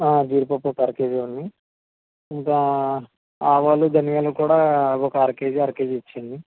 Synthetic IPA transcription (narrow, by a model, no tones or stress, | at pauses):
aːd͡ʒiːɾpɐpːokɐɾkeːd͡ʒunːi | iŋkɐ | aːʋaːlud̪ɐnijaːlukuːɽaːɔkɐɐɾkeːd͡ʒɐɾkeːd͡ʒit͡ʃːind̪i